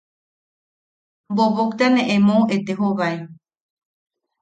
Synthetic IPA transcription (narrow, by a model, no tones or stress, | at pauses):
mboβokt̪anẽʔẽmõet̪eɦoβae